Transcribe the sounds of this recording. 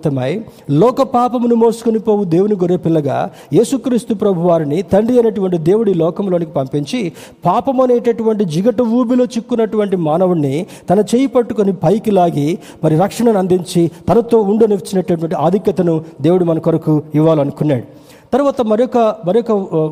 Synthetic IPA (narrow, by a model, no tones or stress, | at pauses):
t̪ɐmɐj | lɔːkɐpaːpɐmnumoːsu̥konipo̞ːwud̪eːwuniɡoɾeːpilːɐɡa̰ː | je̞ːsukɾiːst̪upɾɐbʱuʋaːɾinit̪ɐɳɖiɐneːʈuʋɐɳʈid̪e̞ːwuɽilɔːkɐmlo̞ːnikipɐmpiɲt͡ʃi | paːpɐmɐneːʈɐʈuʋɐɳʈ̬id͡ʒiɡɐʈɐʋuːbilo̞ːt͡ʃikːunːɐʈuʋɐɳʈimaːnɐʋunːi | t̪ɐnɐt͡ʃeːjɐpɐʈːukonipɐjkilaːɡi | mɐɾiɾɐkʂɐɳɐnɐnd̪iɲt͡ʃit̪ɐnɐt̪o̞ːuɳɖoneʋɐt͡ʃːinɐʈːɐʈuʋɐɳʈiaːd̪ʱikjɐt̪ɐnud̪e̞ːwuɽimɐnɐkoɾɐkuiʋːaːlɐnukunːaːɽu | t̪ɐɾuʋaːt̪ɐmɐɾjokːɐmɐɾijɔkːɐ